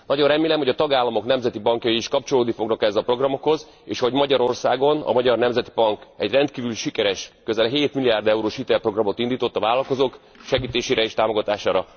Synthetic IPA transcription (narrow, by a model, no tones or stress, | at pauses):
nɒɟo̞nrɛmeːlɛmho̞ɟɒt̪ɒɡaːlːɒmo̞knɛmzɛt̪ibɒŋkjɒjiːʃkɒp̚t͡ʃo̞loːd̪nifo̞ɡnɒkɛɛzɒpro̞ɡrɒmo̞kho̞z | eːʃhoɟmɒɟɒɾo̞rsaːɡo̞nɒ̰mɒɟɒrnɛmzɛt̪ibɒŋkɛɟrɛnt̪kiːvyliʃikɛɾɛʃkøzɛlɦeːt̪milːijaːrd̪ɛuɾoːʃhit̪ɛlpro̞ɡrɒmo̞t̪ind̪iːt̪o̞t̪ːɒvaːlɒlko̞zoːk | ʃɛɡiːt̪eːʃeːɾɛeːʃt̪aːmo̞ɡɒt̪aːʃaːɾɒ